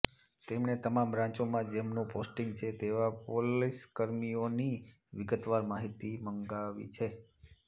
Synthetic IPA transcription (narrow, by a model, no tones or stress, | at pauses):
t̪emɳet̪əmãmbɾãt͡ʃomãd͡ʒemnũposʈiŋɡt͡ʃʰet̪eʋapoliskəɾmioni | ʋɪɡət̪ʋaɾmaɦit̪iməŋɡaʋḭt͡ʃʰe